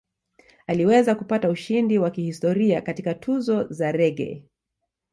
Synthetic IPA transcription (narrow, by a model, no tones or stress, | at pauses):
aliwɛzakupatauʃindiwakihistɔɾiakatikatʰuzɔzaɾɛɠɛ̰